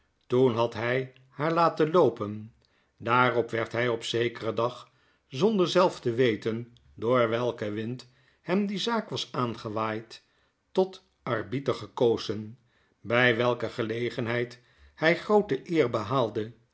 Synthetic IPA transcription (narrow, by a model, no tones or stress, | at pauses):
tunɦɑtɦɛj | haːɹlaːtənlowpən | daːrɔpʋɛɹtɦɛjɔpsejkərədɑχ | zɔndəɹzɛlˠftəʋejtən | dʊːɹʋɛlˠkəʋɪnt | hɛmdizaːkʋɑsaːnχəʋaːjtː | ɔt | ɑrbitəχəkowzən | bɛjʋɛlˠkəχəlejχənɦɛjt | hɛjχrowtəʔɪːɹbəɦaːlˠdə